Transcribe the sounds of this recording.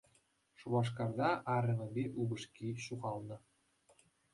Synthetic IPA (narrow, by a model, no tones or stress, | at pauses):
ʂuβɑʂ̬kɑrd̪ɑʔɑɾʲɘ̆mɤ̆bʲeʔubɤ̆ʂkʲiɕuʁɑlˠnɤ̆